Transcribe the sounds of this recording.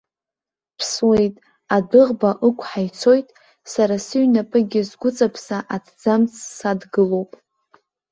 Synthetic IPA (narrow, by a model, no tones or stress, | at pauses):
pʰswe̞jtʼ | adɨʁbaʔɨkʷʰʼħajt͡sʰo̞jtʼ | saɾasɨɥnapʼɨɡʲɪzɡʷʊt͡sʼapʰsaʔadʰd͡zamt͡sʼʰːadɡɨlowpʼ